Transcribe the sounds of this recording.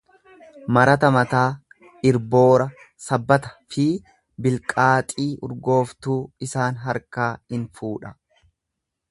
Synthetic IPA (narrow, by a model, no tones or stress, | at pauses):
mɐɾɐt̪ɐmɐt̪aː | ɪɾbo̞ːɾɐ | sɐbːɐt̪ɐ̥fɪ | bɪlkʼaːt̪ʼiːʔʊɾɡo̞ːft̪uːɪsaːnɦɐɾkaːhɪnfuːᶑɐ